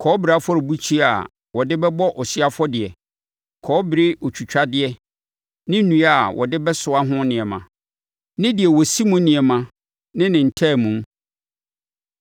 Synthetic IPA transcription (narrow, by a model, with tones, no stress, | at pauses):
kʰɔː˨˦bɪ˨ɾa˨˦fɔ˦ɾɪ˨bu˦t͡ɕʰi˦a˨ | wɔ˨dɪ˦bɛ˦bɔ˦ʔɔ˨si˦a˦fɔ˦dɪ˨ɛ˨ | kʰɔː˨˦bɪ˨ɾɪ˦ʔo˨t͡ɕʰᶣu˨t͡ɕᶣa˦dɪ˨ɛ˨ | nɪ̃˦nũ˨˦ɛ˦a˨wʔɔ̰˨dɪ˦bɛ˦sʊ˨a˦ɦʊ̃˦nɪ̃˨ɛ˨mã̰˨ | nɪ̃˦dɪ˨ɛ˨wɔ˨si˦mũ˦nɪ̃˨ɛ˨mã˨ | nɪ̃˦nɪ̃˨n̩˨tʰɛː˦˨mũ˨m